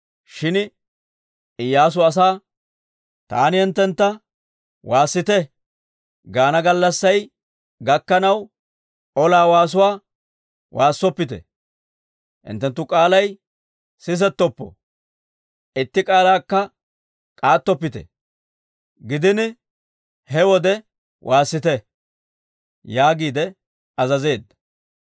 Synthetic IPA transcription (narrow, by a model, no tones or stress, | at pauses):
ʃɪn | ɪjːaːs̬ʊɐs̬aː | t̪a̰ːnɪɪnt̪ːɛnt̪ːɐ | wʔaːsːɪt̪ɛ | ɡaːnɐɡɐlːɐsːɐj | ɡɐkːɐnɐw | ɔlaːwaːs̬ʊwaː | wʔaːsːɔpːɪt̪ɛ̰ | ʔɪ̰nt̪ːɛnt̪ːʊkʼaːlɐj | sɪs̬ɛt̪ːɔpːɔ̰ | ʔɪt̪ːɪkʼaːlaːkːɐ | kʼaːt̪ːɔpːɪt̪ɛ̰ | ɡɪd̪ɪnɪ | hɛwɔd̪ɛ | wʔaːsːɪt̪ɛ | jaːɡiːd̪ɛ | ɐzɐze̞ːd̪ːɐ̥